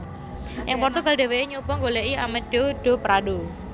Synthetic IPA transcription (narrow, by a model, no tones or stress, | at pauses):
ʔɪŋpɔrt̪uɡalɖe̤weiɲupɔŋɡoleʔiamɛd̥oɖ̥o̤pɾado